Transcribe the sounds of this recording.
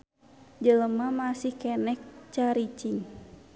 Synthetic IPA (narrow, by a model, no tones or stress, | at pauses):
d͡ʒələmamasihkɛnɛk̚t͡ʃaɾit͡ʃiŋ